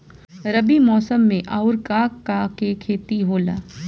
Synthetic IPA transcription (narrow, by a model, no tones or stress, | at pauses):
ɾɐbimɔːsəmːẽʔaːʊɾkaːkːakekʰeːt̪iɦoːla̰ː